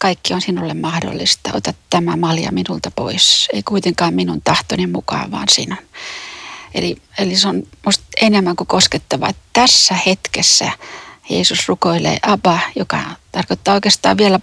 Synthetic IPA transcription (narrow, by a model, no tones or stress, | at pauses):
kɑikːionsinulːemmɑhdo̰lːist̪ɑʔo̰t̪ɑt̪tæmæmɑljɑ̰minult̪ɑpo̰iseikuit̪eŋkɑːmminunt̪ɑht̪onemmukɑ̰ːʋʋɑ̰ːnsḭnon | ḛlieliseonmust̪enemːæŋkukosket̪ːɑʋɑ̰t̪t̪æsːæhet̪kesːæ̰jeːsusrukoilḛːʔɑpɑjokɑ̰t̪ɑrkot̪ːɑːoˑikest̪ɑ̰ːʋʋiælæ